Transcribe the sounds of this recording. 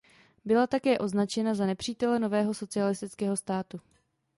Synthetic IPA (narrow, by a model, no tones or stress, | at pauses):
bɪlat̪akɛːʔo̞znat͡ʃɛnazanɛpr̥iːt̪ɛlɛno̞vɛːɦo̞so̞t͡sɪalɪst̪ɪt͡skɛːɦo̞st̪aːt̪u